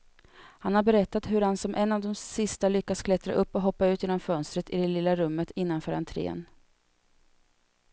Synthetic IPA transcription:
hanhaɾbɛɾɛt̪ːat̪ɦɵɾhansɔmʔɛnːavd̪ɔmsɪst̪alʏkːaskʰlɛt̪ɾa̰ʔɵpːɔɦɔpːaʉ̟ːt̪ɪːnɔmfœnst̪ɾət̪ɪd̪ɛlɪlːaɾɵmːət̪ʰɪnːanfœːɾhant̪ʰɾḛːn

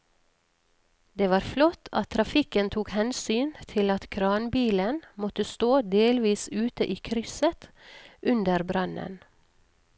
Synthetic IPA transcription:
d̪eːʋɑːɾflɔt̪ʰɑt̪ʰɾɑfɪkənt̪ʰuːkhɛnsyːnt̪ʰɪlɑt̪kʰɾɑːnbiːlənmɔt̪əst̪oːd̪eːlʋiːsʉːt̪əʔiːkʰɾʏsət̪ʔʉnd̪əɾbɾɑnə̰n

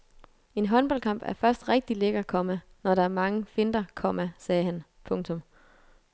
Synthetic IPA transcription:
e̝nɦɒ̽nb̥ɒ̽l̰kʰɑ̈m̰b̥æɐfɶɐsd̥ʁɛɡ̥̚d̥ileɡ̥ɐkʰɒ̽mæ | nɒɾɑ̈æɐmɑ̈ŋəfe̝nd̥ɐkʰɒ̽mæsɛːhænpʰɔ̽ŋt͡sʰɔ̽m

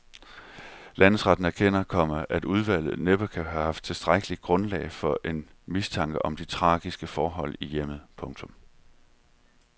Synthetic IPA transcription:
læn̰ð̩ˠsʁɑd̥n̩æɐkʰen̰ɐkʰɒ̽m̰ɐʔæd̥uð̞ˠʋæl̰ð̩ˠneb̥ɐkʰæɦæhɑ̈fd̥̚t͡sʰe̝sd̥ʁaɡ̥əliɡ̥ʁɔ̽nlɛ̰ːɪfɒ̽ʔe̝n | mist͡sʰɑ̈ŋ̰ɡ̥əʔɒ̽md̥it͡sʰʁɑ̈ːɡ̥isɡ̥əfɒːɦɒ̽l̰ijem̰ð̩ˠpʰɔ̽ŋt͡sʰɔ̽m

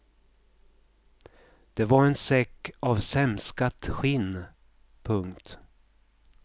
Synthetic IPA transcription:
d̪̥ɛvaɾɛnsɛkːavsɛmskat̪ɧɪn | pʰɵŋkt̪

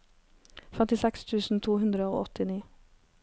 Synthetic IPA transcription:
fɛmt̪ɪsɛkst̪ʰʉːsn̩t̪ʰuːhʉnd̪ɾəo̰ːʔɔt̪ɪniː

